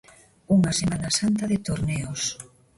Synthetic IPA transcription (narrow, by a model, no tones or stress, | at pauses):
uŋasemanasant̪aðet̪oɾneos